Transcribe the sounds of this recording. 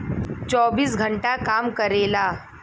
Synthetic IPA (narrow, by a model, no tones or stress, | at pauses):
t͡ɕɔːbiːsɡʱəɳʈakamkəɾela